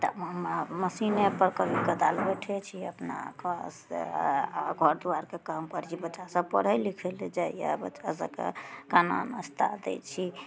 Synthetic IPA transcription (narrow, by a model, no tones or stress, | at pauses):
t̪ə̰mməsinepəɾkəbʱiɡəd̪albeʈʰɛt͡ʃʰiəpna̰kəs | ɡʱɔɾd̪uaɾkekamkəɾt͡ʃʰibəasəb̚pəɽɦəlikʰeled͡ʒaja̰bət͡ʃːasə̰kḛkana̰nəst̪ʰa̰d̪ḛt͡ʃʰi